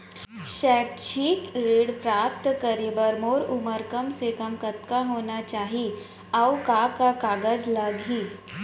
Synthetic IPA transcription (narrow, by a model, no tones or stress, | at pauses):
ɕɛk̚t͡ɕʰiːkɾeɽpɾap̚t̪kəɾibəɾmoɾuməɾkəmsekəmkət̪kaɦonat͡ɕaɦi | awkakakaɡəd͡zlaɡʱiː